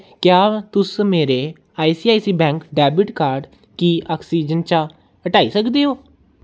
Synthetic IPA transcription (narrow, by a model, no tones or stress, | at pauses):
kjaːt̪ʊsmeːɾeː | aːisiːaːisiːbɛ̃ːŋkɖɛːbɪʈkaːɾɖ | kiːaːksiːd͡ʒənt͡ʃãː | əʈaːiːsəkd̪eːɦoː